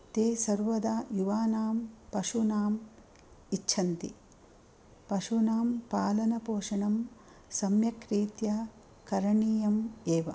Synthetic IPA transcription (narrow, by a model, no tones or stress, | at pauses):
t̪eːsɐɾʋɐd̪ajuʋaːnaːmpɐʂunaːm | itːʃʰɐnt̪i | pɐʂunaːmpaːlɐnɐpoːʂɐɳɐm | sɐmjɐkɾiːt̪jɐ | kɐɾɐɳiːjɐmeːʋɐ